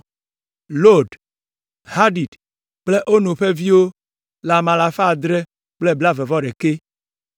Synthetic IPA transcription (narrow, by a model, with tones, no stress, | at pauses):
lo˦ɖ | ha˦ɖi˨d | k͡ple˦ʔo˦nũ˨ɸe˦vi˦wo˦ | la˨mã˨la˨fa˦˨d̪ɾe˦ | k͡ple˦bla˦ve˨vɔ˦ɖe˨ke˦